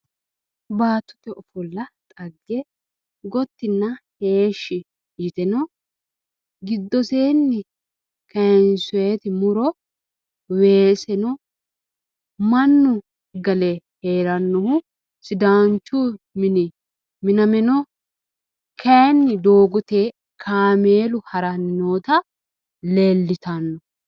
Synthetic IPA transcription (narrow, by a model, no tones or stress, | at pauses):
baːt̪ːʊ̥t̪ɛɔfɔlːɐt̪ʼɐɡːɛ | ɡɔt̪ːɪnːɐhe̞ːʃːɪ | jɪt̪ɛnɔ | ɡɪd̪ːɔseːnːɪ | kɐnsʊweːt̪ɪmʊɾɔ | weːsɛnɔ | mɐnːʊ | ɡɐlɛheːɾɐnːɔhʊ | sɪd̪aːnt͡ʃːu | mɪnɪ | mɪnɐmɛnɔ | kʰɐjnːɪd̪oːɡʊt̪e | kʰaːmeːlʊhɐɾɐnːoːt̪ɐ | leːlːɪt̪ɐnːɔ